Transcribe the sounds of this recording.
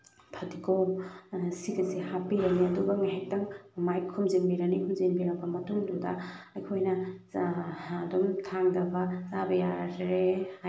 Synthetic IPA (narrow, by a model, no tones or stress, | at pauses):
pʰɐdikomsikɐzihapiɾɐniɐdubɐŋaɦak̚tɐŋmajkʰumziŋbiɾɐnikʰumziŋbiɾɐk̚bɐmɐtuŋdudɐ̰ɐjkʰojnɐ | dɔmtʰaŋdɐbɐzabɐjaɾe